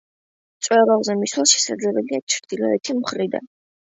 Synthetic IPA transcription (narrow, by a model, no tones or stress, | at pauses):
t̪sʼwɛɾaʁzɛmiswalˠʃɛ̥sa̰d̪zlɛbɛliat͡ʃʰɾd̪̥ilɔɛt̪ʰimχɾid̪a̰n